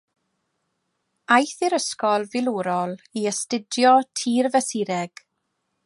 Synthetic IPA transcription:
ajθɪɾəskɔlˠvɪlˠuːɾɔlˠiəstɪdjɔtʰiːrvɛsɪɾɛɡ̥

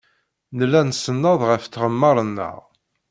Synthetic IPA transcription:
nəlːænsənːəðˤʁəfθʁəmːɑɾˤənːə̰ʁ

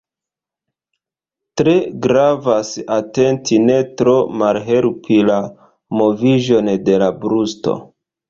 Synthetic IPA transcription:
tɾe̞ɡɾavasate̞ntine̞tɾo̞malɦe̞ɾpʰila | mo̞viʒo̞nde̞labɾusto̰

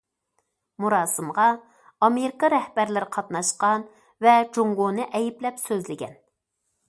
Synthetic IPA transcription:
muɾɑːsɨmʁɑ | ɑmeɾɪkɑɾɛhbæɾlɪɾqʰɑt̪nɑʃqɑn | vɛd͡ʒoŋɡonɨʔɛjiplɛpsøzlɪɡʲɛ̰n

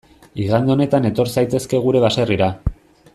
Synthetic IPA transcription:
iɣand̪eo̞ne̞t̪ane̞t̪o̞ɾsajt̪e̞ske̞ɣ̞uɾe̞βase̞riɾa

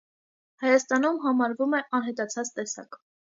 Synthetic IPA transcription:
hɑjɑst̪ɑnumɦɑmɑɾvumɛʔɑnɦɛt̪ɑt͡sʰɑt͡st̪ɛsɑ̰k

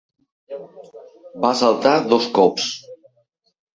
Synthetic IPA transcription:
basalˠt̪aðɔskɔps

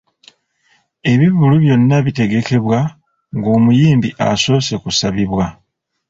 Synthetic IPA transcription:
e̞βiβuluβjo̞nːaβite̞ɡe̞ke̞βwa | ŋɡo̞ːmujiːmbiʔa̰so̞ːse̞kusaβiβwa

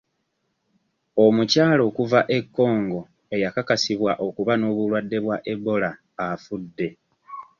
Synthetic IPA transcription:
o̞mucaːlo̞kuvaʔe̞kːo̞ːŋɡo̞ | e̞jakakasiβwaʔo̞kuβano̞ːβulwadːe̞βwaʔe̞bo̞laː | fudːe̞

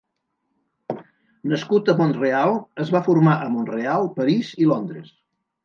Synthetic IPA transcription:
nəskut̪əmonrealˠəzβafurmaʔəmonrealˠpəɾizilond̪ɾəs

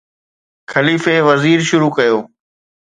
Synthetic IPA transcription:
xʰɐliːfeːʋɐziːɾʃʊɾuːkɐjoː

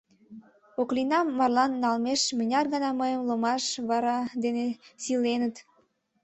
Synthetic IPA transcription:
oklinɑmːɑrlɑnːɑlmeʃmənʲɑrɣənɑməjəmlomɑʃβɑɾɑd̪enesilenət̪

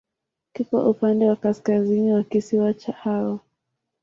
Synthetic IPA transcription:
kikwa̰ʔupandɛwakaskaziniwakisiwat͡ʃahaɔ

